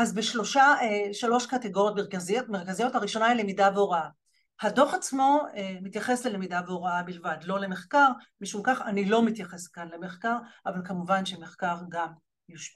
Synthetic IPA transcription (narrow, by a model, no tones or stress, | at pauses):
azbeʃlo̞ʃaeʃalo̞ʃkateɡo̞ʁjotmeʁkaziotme̞ʁkazijo̞thaʁiʃo̞nailemidaveoʁaa | hado̞χat͡smo̞emit̪jaχe̞slelemidaveoʁaabilvadlo̞le̞me̞χkaʁ | miʃumkaχanilo̞mit̪jaχeskanlemeχkaʁʔavalkamuvanʃe̞meχkaʁɡam | juʃpi